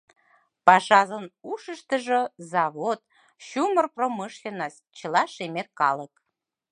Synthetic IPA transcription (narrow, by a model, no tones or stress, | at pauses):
pɑʃɑzənuʃəʃt̪ə̆ʒozɑβot̪ | ɕumərproməʃlʲenɑs | t͡ɕə̆lɑʃemet̪̚kɑlək